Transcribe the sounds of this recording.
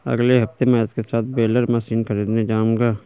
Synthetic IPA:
ə̰ɡleɦɐft̪emɛːskesaːt̪̚ʰbeːləɾmasiːnkʰəɾiːd̪ned͡ʒaːmɡaː

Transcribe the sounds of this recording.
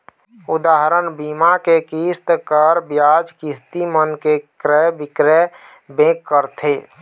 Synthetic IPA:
ud̪aɦɾənbimakekist̪kəɾbjad͡ʒkist̪imənkekɾɛbɪkɾɛ | bẽkːəɾt̪ʰe

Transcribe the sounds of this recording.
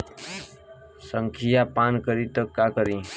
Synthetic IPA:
səŋkʰijapankəɾit̪əkːakəɾĩ

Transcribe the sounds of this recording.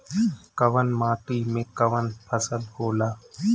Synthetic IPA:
kəʋənmaːʈiːmẽːkəʋənpʰəsəlhoːlaː

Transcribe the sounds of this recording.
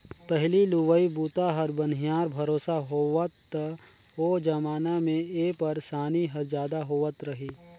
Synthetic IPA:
pɛɦliluʋəibuːt̪aɦɐɾbɐnijaːɾbʱɐɾoːsaɦoːʋət̪ | oːd͡ʒɐmaːnamẽeːpɐɾsaːniɦɐɾd͡ʒjaːd̪aɦoːʋət̪ɾɐɦiː

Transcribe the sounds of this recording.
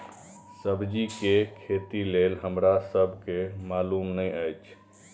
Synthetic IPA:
səbʱd͡ʒikekʰet̪ilelɦəmɾasəbʱkemalumnəjəjt͡ʃʰ

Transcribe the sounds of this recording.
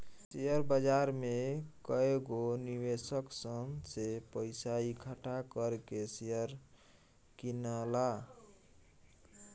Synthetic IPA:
sejəɾbəd͡ʒaɾmekəeɡoniʋesəksəmsepəɪsaikʰaʈʰakəɾkesejəɾ | kinəla

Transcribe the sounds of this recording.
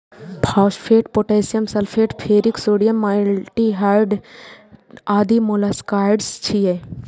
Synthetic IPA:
bʰʱaːʃpʰeːʈpoʈeːsijəmsɐlfʰeːʈpʰeːɾiksoːɖijəmːalʈiɦaɾɖ | aːd̪imolaskaːɖst͡ʃʰie

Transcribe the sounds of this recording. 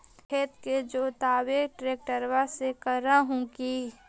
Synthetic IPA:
eːt̪ked͡ʒoːt̪aːweːkʈɾeːk̚ʈəɾwasekəɾaɦũki

